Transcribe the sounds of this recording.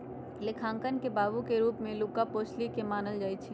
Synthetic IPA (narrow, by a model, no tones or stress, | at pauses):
lekʰãːŋkənkebaːbukeɾuːpmẽluːkapoːt͡ʃʰlikemaːnəld͡ʒaːit͡ʃʰi